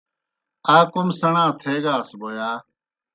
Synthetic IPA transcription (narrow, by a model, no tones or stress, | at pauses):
aːkʊmsəɳãːt̪ʰeːɡaːsboːjaː